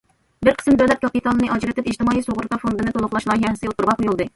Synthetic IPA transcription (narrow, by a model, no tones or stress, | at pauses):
bɪɾqʰə̥smd̪ɛlɛp̚kʰɑpit̪ʰɑlnɨʔɑd͡ʒɾɪt̪ɪpid͡ʒt̪ɪmɑːisoʁʊɾt̪ɑfond̪ɨnɨt̪olˠʊχlˠɑʃlˠɑːɦɛhɪsɪɨot̪uɾʁɑqojulˠd̪ɨ